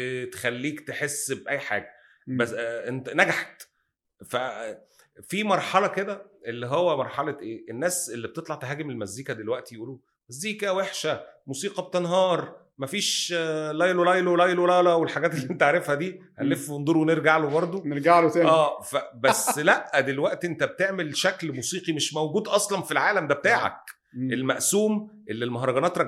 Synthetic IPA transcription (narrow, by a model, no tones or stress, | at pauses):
t̪e̥xælːiːkt̪eħesːbʔæjːħa̰ːɡæ | bænænæɡaħt̪ | fæ | fimɑɾˤħɑlɑked̪æʔelːiɦowːæmɑɾˤħɑlɑʔeːʔenːæːselːib̚t̪et̪ˤlɑʕt̪eɦæːɡemelmæzːiːkæd̪elwæʔt̪ijeʔuːluː | mæzːiːkæweħʃæmuːsiːqɑb̚t̪enɦɑːɾˤ | mæfiːʃlɑjllɑjlowlɑjlwlɑlæwelħaɡæːt̪elːiʔent̪aʕɾefhæd̪iː | hænlːefwend̪oɾuweneɾɡaʕlobɑɾˤd̪ˤoneɾɡaʕlot̪æːæːfæbæsːlæʔæd̪elwæʔt̪iʔent̪æb̚t̪eʕmelʃæklmuːsiːqimeʃmæwɡuːd̪ʔɑsˤlɑnfilʕaːlæmd̪æbet̪aːʕæ̰k̚ | ʔelmæʔsuːmʔelːelmɑɦɾˤɑɡɑnæːt̪ɾˤɑɡ